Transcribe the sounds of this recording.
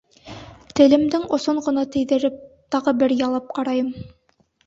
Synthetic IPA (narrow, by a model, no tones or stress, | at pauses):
t̪ɘ̆lɘ̆md̪ɘŋŏsoɴʁɤ̆nɑt̪ɘ̆jðɘ̆ɾɘp̚t̪ɑʁɤbɘɾjɑlˠɑp̚qɑɾɑjɤm